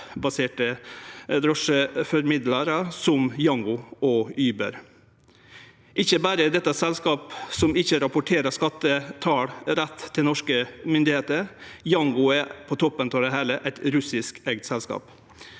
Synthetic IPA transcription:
bɑseːʈə | ɾɔʂəfɔɾmɪd̪lɑɾəsɔmjɑŋɡʊɔyːbə̰ɾ | ʔɪçəbæːɾəd̪ɛt̪ːɑsɛlskɑːpsɔmɪçəɾɑpʊʈʰeːɾəʂkɑt̪ːət̪ʰɑːɽɾɛt̪ʰːɪlnɔʂkəmʏnd̪ɪheːt̪əɾjɑŋɡʊæpʰɔt̪ʰɔpːənt̪ɔd̪ɛɦæːləʔæɪt̪ɾʉsɪskɛɡ̚t̪sɛlskɑ̰ːp

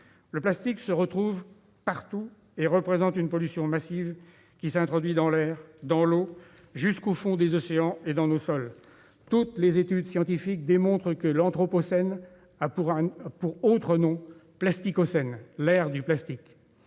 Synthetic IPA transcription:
ləplast̪iksəʁət̪χuv | paʁt̪u | eʁəpχezɑ̃t̪ynpɔlysjɔ̃masiv | kʲisɛ̃t̪χɔd̪ɥid̪ɑ̃lɛːʁd̪ɑ̃lo | ʒyskofɔ̃d̪ezɔseɑ̃ed̪ɑ̃nosɔl | t̪ut̪lezet̪yd̪sjɑ̃t̪ifik̚d̪emɔ̃t̪χəkəlɑ̃t̪χɔpɔsɛn | apuʁɛ̃puʁot̪χənɔ̃plast̪ikosɛnlɛʁd̪yplast̪ik

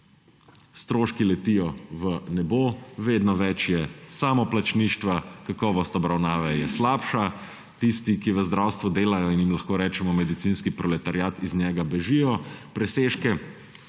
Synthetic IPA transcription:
st̪ɾoːʃkilɛt̪ijɔʋənɛboʋeːd̪nɔʋɛt͡ʃjɛsaːmɔplat͡ʃniːʃt̪ʋakakɔʋɔst̪ɔbɾawnaːʋɛjɛslaːpʃa | t̪ist̪ikiʋəzd̪ɾaːwst̪ʋud̪eːlajɔinjimlaxkoːɾɛːt͡ʃɛmɔmɛd̪it̪sinskipɾɔlɛt̪aɾjaːt̪iznʲɛːɡabɛʒijɔpɾɛseːʃkɛ

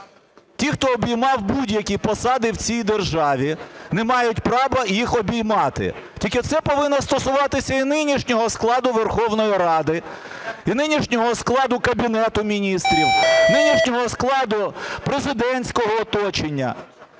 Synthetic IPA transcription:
tʲixt̪ɔːbʲijmɑwbudʲjɐkʲipɔsɑd̪ɪwt͡sʲijd̪erʒɑʋʲinemɑjʊtʲpɾɑʋɐjixɔbʲijmɑt̪ɪ̰ | tʲikɪt̪sɛpɔʋɪnːɔst̪ɔsʊʋɑt̪ɪsʲɐinɪnʲiʃnʲɔɦɔsklˠɑd̪ʊʋerxɔwnɔjiɾɑd̪ɪ | inɪnʲiʃnʲɔɦɔsklˠɑd̪ʊkɐbʲinɛt̪ʊmʲinʲist̪ɾʲiwnɪnʲiʃnʲɔɦɔsklˠɑd̪ʊpɾezɪd̪ɛnʲsʲkɔɦɔːt̪ɔt͡ʃenʲːɐ̰

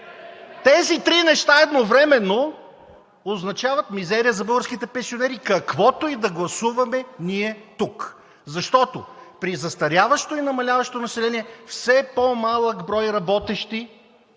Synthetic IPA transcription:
t̪ɛzit̪ɾinɛʃt̪aɛd̪novɾɛmɛnːo | oznɐt͡ʃavɐt̪mizɛɾiəzɐbɤɡəɾskit̪ɛpɛ̃nsionɛɾikɐkvɔt̪oid̪ɐɡlˠɐsuvɐmɛniɛt̪uk | zɐʃt̪ɔt̪opɾizɐst̪ɐɾʲjavɐʃt̪oinɐmɐlʲavɐʃt̪onɐsɛlɛniɛfsɛpomalˠəkbɾɔjɾɐbɔt̪ɛʃt̪i

